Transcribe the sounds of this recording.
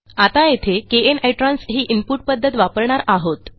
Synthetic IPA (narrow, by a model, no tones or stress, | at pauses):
at̪ajet̪ʰekeeneʈɾansɦiːʔimpuʈ̚pəd̪ʱːət̪ʋapəɾɳaɾaɦot̪